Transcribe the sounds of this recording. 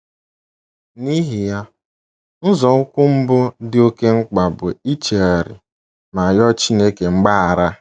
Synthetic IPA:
ni˦ɦi˨ja˦ | n̩˦zɔ˨ŋʊ˦kʷʊ˦m̩˦bʊ˦dɪ˦o˦ke˦ŋ͡m̩˦k͡pa˨bʊ˨i˦t͡ʃe˨a˨ɾɪ̰˨ | ma˨jɔ˦t͡ʃi˦ne˦ke˨ŋ͡m̩˦ɡ͡ba˦a˨ɾa˦

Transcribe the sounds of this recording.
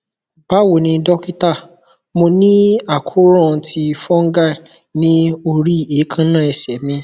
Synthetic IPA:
b̥a˦wo˨nĩ˧dɔ˦ki˦ta˦˨ | mo˧nĩ˦a˦˨kʰu˦ɾɔ̃˦˨˧tʰi˧fɔ˦ŋ̩˦ɡa˦˨ | nĩ˦o˧ɾi˦e˨˦kʰã˦nã˦˨ɛ˨sɛ˨˦mĩ˧

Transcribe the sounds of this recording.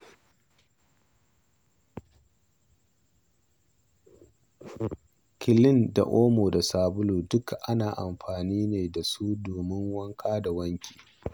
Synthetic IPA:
kʲɪ˨lɪ˦nda̰˨ʔoː˦moː˨da˨saː˨bʊ˦luː˨dʊ˦kʔa˦naː˨ʔa˨mɸaː˨niː˦neː˨da˨su˦doː˨mɪ˦ŋwɐ˦ŋkʰaː˦da˨wɐ˦ŋkʲʰi̥ː˨

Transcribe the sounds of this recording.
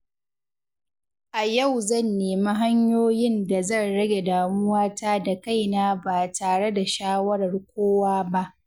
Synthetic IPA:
ʔa˨jɐ˦˨wzɐ˦˨nːeː˨ma˦ɦa˦ɲjoː˦jɪ˦nda˨zɐ˦˨nɽɐ˦ɡʲe˨daː˨mʊ˦waː˦ta˦da˨ka˦˨jnaː˦baː˨taː˨ɽe˦da˨ʃaː˦wɐ˦ɽɐ˨rkʷoː˦waː˦ba˦ʔ

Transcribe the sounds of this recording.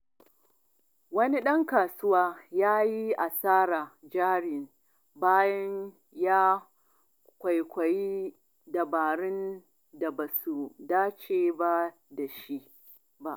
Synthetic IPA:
wɐ˦ni˦ɗɐ˦ŋkaː˨sʊ˦waː˦jaː˦ji˦ʔa˨saː˦ɾaː˨d͡ʒaː˦ɽɪ˨n | baː˦jɐ˦ɲ | jaː˦ | kʷa˨jkʷɐ˨ji˦ | dɐ˨baː˨ɽɪ˦n | da˨ba˨su˨daː˦t͡ʃeː˨ba˦ | da˨ʃi˦ʔ | ba˦ʔ

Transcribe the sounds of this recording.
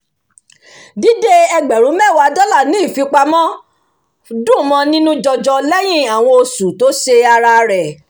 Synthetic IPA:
di˦de˦ɛ˧ɡ͡bɛ˨ɾ̃ũ˨˦mɛ˦˨wa˨˧˦dɔ˦la˦˨nĩ˨˦i˦˨fi˧k͡pa˧mɔ̃˦ | dũ˦˨mɔ̃˧˦nĩ˦nũ˦d͡ʒɔ˧d͡ʒɔ˧lɛ˦j̃ĩ˦a˨w̃ɔ̃˧o˧su˨to˨˦ʃe˧a˧ɾa˧ɾɛ˨

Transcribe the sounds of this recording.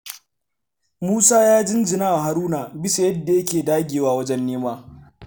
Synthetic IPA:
muː˦saː˦jaː˦d͡ʒɪ˦nd͡ʒɪ˨naː˦wa˨ɦa˦ɾuː˦naː˨bɪ˦sa˨jɐ˦dːa˨jɐ˦kʲeː˨daː˦ɡʲeː˨waː˦wɐ˦d͡ʒɛ˦nːeː˦maː˦

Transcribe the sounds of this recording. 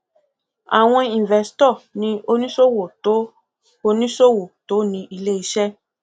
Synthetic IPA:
a̰˨w̃ɔ̃˧ĩ˨n˨vɛ˨si̥˨tɔ˦˨nĩ˧˦o˧nĩ˦so˦wo˨to˨˦ | o˧nĩ˦so˦wo˨to˨˦nĩ˧ʔi˧le˦i˨˧ʃɛ˦

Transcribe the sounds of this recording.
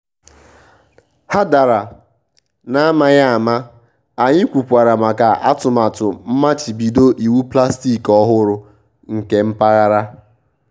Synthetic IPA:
ha˦da˨ɾa˨ | na˦a˦ma˦ja˦a˨ma˦ | a˨ɲɪ˦kʷu˨pʷa˨ɾa˨ma˨ka˨ʔa˦tʊ˨ma˨tʊ˨m̩˦ma˦t͡ʃi˨bi˨do˦ʔi˨wu˦pla˦sti˦˨kɔ˦ɦʊ˦ɾʊ˨ | ŋ̩˨ke˦m̩˦pa˦ɣa˦ɾa˦

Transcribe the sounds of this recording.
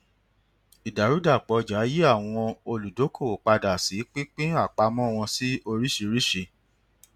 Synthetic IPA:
i˨da˨ɾu˨˦da˦˨k͡pɔ˧˦d͡ʒa˨˦ji˦a˦˨w̃ɔ̃˧o˧lu˨do˨˦kʰo˦˨k͡pa˧da˨si˨˦k͡pi˦k͡pĩ˦a˦˨k͡pa˧mɔ̃˦˨w̃ɔ̃˧si˦o˧ɾi˦ʃi˧ɾi˦ʃe˧

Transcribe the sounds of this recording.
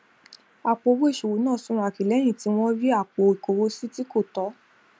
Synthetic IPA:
a˨k͡po˧wo˦e˦˨ʃu˨wu˨˦nãː˦˨sũ˦ɾ̃ũ˧a˧˨ki˨lɛ˨˦j̃ĩ˦˨ti˨˧˦w̃ɔ̃˦ɾi˦a˦˨k͡po˨˧i˨ko˨˧wo˦si˦ti˦ko˦˨tɔ˨˦

